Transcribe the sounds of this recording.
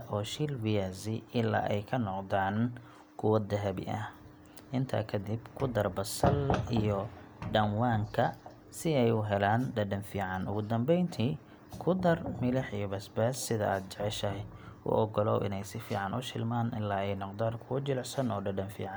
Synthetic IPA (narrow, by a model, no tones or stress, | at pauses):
ʔɔːʃilwɪjazɪɪlːa̰ːʔɛjkʰɐnɔqd̪aːn | kʰʊwɐd̪ɐɦɐbɪ̰ʔɐh | ʔɪnt̪ʰa̰ːkʰɐd̪ibkʰʊd̪ɐrbɐsɐlijɔ | ɖɐnwaːŋkʰɐ | sɪɛjʊɦɛlaːnɖɐɖɐnfiːʕɑnʊ̰ɣʊd̪ɐmbɛjnt̪ʰiː | kʰʊd̪ɐrmɪlɐħijɔbɐsbɛːsːɪðɐ̰a̰ːd̪̚t͡ʃɛʕɛʃɐɦɛʔʊ̰ʔɔɡɔlɔ̰ːʔɪ̰nɛjsɪfḭːʕɑnʊʃɪlmaːnɪlːaːɛjnɔqd̪aːnkʰʊwɐd͡ʒɪlɐsɐnɔːɖɐɖɐnfḭːʕɑn